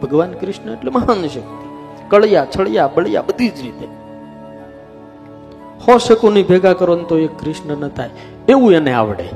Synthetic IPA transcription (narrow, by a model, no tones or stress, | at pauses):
bʱəɡʋankɾɪʃnəeʈleməɦanəʃəkt̪i | kəɭjat͡ʃʰəɭjabəɭja̰bəd̪ʱid͡ʒɾit̪e | hɔʃəkonibʱeɡakəɾənt̪oekːɾɪʃnənət̪ʰaj | eʋũenea̰ʋɽḛ